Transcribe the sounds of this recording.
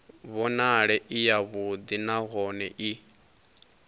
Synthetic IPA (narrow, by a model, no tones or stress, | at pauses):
βɔnaɺɛʔijaβud̪inaɣɔnɛʔi